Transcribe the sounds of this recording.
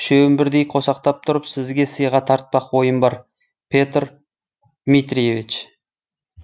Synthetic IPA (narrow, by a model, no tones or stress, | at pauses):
ʃewɪmbɪɾd̪ejqʰo̞sɑqt̪ɑp̚t̪ʰʊɾəpsɪzɡʲe̞səjʁɑt̪ʰɑɾt̪̚pɑqwo̞jəmbɑɾ | pʰʲe̞t̪r | d̪̥mit̪ɾije̞vit͡ʃ